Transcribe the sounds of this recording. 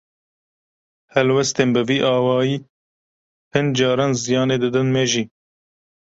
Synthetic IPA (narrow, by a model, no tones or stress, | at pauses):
hɛlwɛst̪eːnbɨviːʔɑːwɑːjiː | pʰɨnd͡ʒɑːɾɑːnzijɑːneːd̪ɨd̪ɨnmɛʒiː